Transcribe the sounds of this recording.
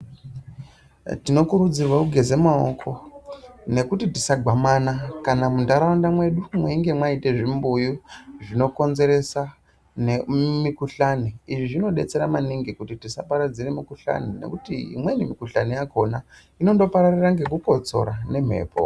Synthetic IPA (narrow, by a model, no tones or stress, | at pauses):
tino̞kuɾud͡zirwakuɡʱe̞zemaokʰo̞ | ne̞kutitisaɡʱamanakanamundaɾawandamwe̞ɗumweiŋɡe̞mwaite̞ʐimbujuʐino̞ko̞nze̞ɾe̞sa | nemikuɬaniiʐiʐino̞ɗe̞̰t͡se̞ɾamaniŋɡikutitisapaɾad͡ziremikuɬa̰nine̞̰kutiḭmwe̞nimikuɬa̰nijaɡo̞na | ino̞ndo̞paɾariraŋɡe̞k̬uko̞t͡so̞̰ɾane̞m̤e̞̰ːpʰo̰